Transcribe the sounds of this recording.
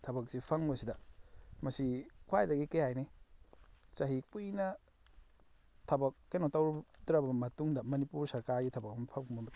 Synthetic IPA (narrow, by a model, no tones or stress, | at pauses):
tʰɐbɐk̚sipʰɐŋbɐsidɐmɐsikʰwajdɐɡikɐjajne | t͡ʃɐɦipujnɐ | tʰɐbɐk̚ːenotɐwɾbdɾɐbɐmɐtuŋdɐmɐnipuɾsɐɾkaɾɡitʰɐbɐk̚ɐmpʰɐpumɐbɐ